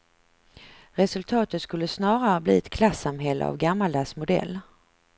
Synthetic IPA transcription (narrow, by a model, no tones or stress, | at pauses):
ɾɛsɵlt̪ʰɑːt̪ət̪skɵlːəsnɑːɾaɾəblḭːɛt̪kʰlasːamɦɛlːə̰a̰vɡamːald̪asmʊd̪ɛ̰lː